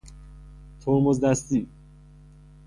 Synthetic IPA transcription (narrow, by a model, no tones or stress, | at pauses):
t̪ʰoɾmozd̪æst̪i